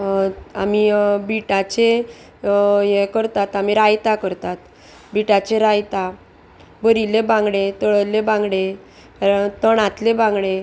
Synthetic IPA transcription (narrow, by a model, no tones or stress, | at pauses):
a̰mibiʈat͡ɕe | jekəɾt̪at̪amiɾajt̪akəɾt̪at̪ | biʈat͡ɕeɾajt̪a | bəɾilebãŋɡɽet̪əɭəlebãŋɡɽe | t̪əɳat̪lebãŋɡɽe